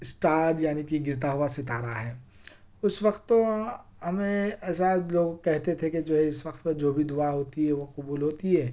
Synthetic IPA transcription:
ɪsʈaːɾjaːnikiɡɪɾt̪̬aɦʊasɪt̪aːɾaɦɛː | ʊswɐqt̪ːo | ɦɐmẽɛːs̬aloːɡkɛɦt̪et̪ʰeked͡ʒoːɦɛɪswʋɐqt̪ped͡ʒoːbʱid̪ʊaɦoːt̪iɦɛʋoqʊbuːlɦoːt̪iɦɛː

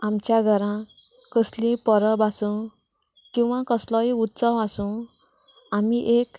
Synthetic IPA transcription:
amt͡ɕjaɡʱʌɾã | kəslĩpʌɾʌbasũ | kĩw̃wãkʌsləjut̪sawasũ | amiʔek

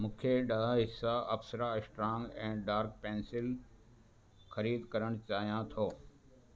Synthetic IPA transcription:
mʊ̃ːkʰeɗalaɦɪsːaɐfsəɾaɪsʈɾãːŋɡɛ̃ːɖaːɾk̚pẽːnsɪl | xɐɾiːd̪kɐɾəɽ̃t͡ɕaːɦijãt̪ʰoː

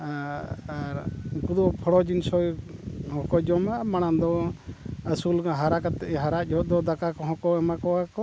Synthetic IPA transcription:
aaɾkud̪ɔpʰɔɽɔd͡ʒinsɔjhɔ̃kɔd͡ʒɔmamanand̪ɔ | əsulɡaɦaɾakat̪ɛʔɛɦaɾaʔd͡ʒɔd̪ɔd̪akakɔɦɔ̃kɔɛmakɔwakɔ

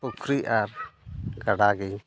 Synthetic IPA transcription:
ukʰɾiaɾkaɽaɡi

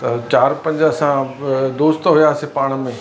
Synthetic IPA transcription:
t̪ɐt͡ɕaːɾpɐ̃ɲd͡ʑəsãd̪oːst̪ɦujaːsepaːɽ̃̆mẽ

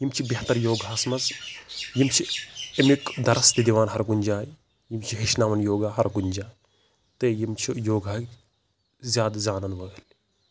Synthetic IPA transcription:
jimt͡ʃʰibʲeht̪ɐɾjoːɡasmɐzjimt͡ʃʰiɐmikd̪ɐɾɐst̪id̪iʋaːnɦɐɾɡunʲd͡ʒaːj | jimt͡ʃʰiɦeʃnaːmɐnjoːɡaːɦɐɾɡuɲʲd͡ʒaː | t̪ejimt͡ʃʰijoːɡʱak | zʲjaːd̪zʲaːnɐnʋɐɡɐl

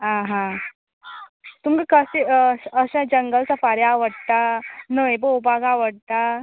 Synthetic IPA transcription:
ɦãɦã | t̪umkakəsiəɕad͡ʑəŋɡəlt͡safaɾjaːʋəɽt̪anəjbəubʱaɡaʋəɽ̚t̪a

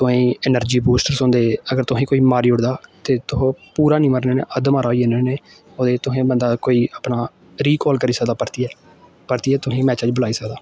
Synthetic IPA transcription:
t̪ʊɦẽːɪnəɾd͡ʒiːbuːsʈəɾsõnd̪eːəɡəɾt̪ʊɦẽːkoːiːmaːɾiːʊɽd̪aːt̪eːt̪ʊõːpuːɾaːnĩːməɾneːnḛːʔəd̪maːɾaːoiːeːneːneː | oːd̪eːt̪ʊɦẽːbənd̪aːkoːiːəpnaː | ɾiːkɔːlkəɾiːsəkd̪aːpəɾt̪iːɛː | pəɾt̪iːɛːt̪ʊɦẽːmɛːt͡ʃəd͡ʒbəlaːiːsəkd̪aː

